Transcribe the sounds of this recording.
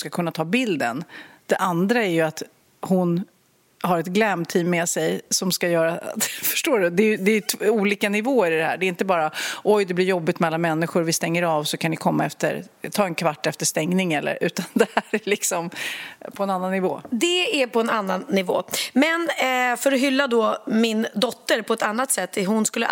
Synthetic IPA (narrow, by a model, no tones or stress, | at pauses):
skakʰɵnːat̪ʰɑːbɪld̪ə̰nd̪̥ɛʔand̪ɾaæɾjɵat̪ | hʊn | haɾɛt̪ɡlɛmt̪ʰiːmːɛsɛjsɔmskajœːɾafœ̥ʂʈoːɖɵd̪ɛːjɵd̪ɛːjɵt̪ʰuːliːkanɪvoːəɾɪd̪ɛhæ̰ːɖɛɪnt̪əbɑːɾaʔɔjd̪ɛblɪɾjɔbːɪt̪mɛalːanmɛnːɪɧʊɾvɪst̪ɛŋːəɾavsɔkʰanɪkʰɔmːaɛft̪ə̰ɾt̪ʰɑːɛnkʰvaʈːɛft̪əʂt̪ɛŋnɪŋɛlːə̰ɾʉ̟ːt̪and̪ɛhæɾælɪksɔmpʰɔɛnanːanːɪvoːd̪ɛæpʰɔɛnanːanːɪvo̰ːmɛnfœɾɔɦʏlːad̪ɔmɪnd̪ɔt̪ːəɾpʰɔɛt̪anːat̪sɛt̪ːɛɦʊnskɵlːə